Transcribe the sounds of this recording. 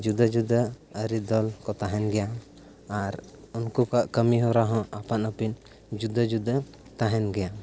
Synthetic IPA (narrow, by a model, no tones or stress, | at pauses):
d͡ʒud̪ad͡ʒud̪aəɾid̪ɔlkɔt̪aɦɛnɡɛja | aɾ | unkukaʔkəmiɦɔɾaɦɔ̃ʔapanɔpin | d͡ʒud̪əd͡ʒud̪ə | t̪aɦɛnɡɛja